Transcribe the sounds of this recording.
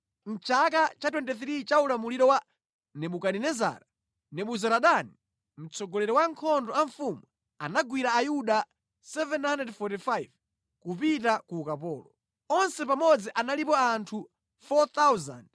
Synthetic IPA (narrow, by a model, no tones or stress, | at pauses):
n̩t͡ʃak̬at͡ʃatwɛnt̬ɛθɾit͡ʃaulamuliɾɔwa | nɛɓukaninɛza̰ːɾa | nɛɓuzaɾaɗani | m̩t͡sɔɡɔlɛɾɔwaŋkʰɔndɔaɱfumu | anaɡwiɾaːjuɗa | sɛvɛnandɛdfɔtifajv | kupitakukapɔːlɔ | ɔnsɛpamɔd͡ziʔanalipɔantʰu | fɔt̪awza̰nd